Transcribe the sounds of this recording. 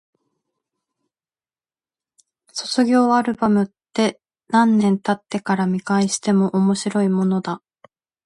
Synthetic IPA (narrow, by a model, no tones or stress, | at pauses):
so̞t͡sɨɡʲo̞ːaɾɯ̟bamɯ̟t̪ːe̞ | nãnːẽ̞nt̪at̪ːe̞kaɾamʲikaiɕi̥t̪e̞mo̞ʔomo̞ɕiɾo̞imo̞no̞d̪a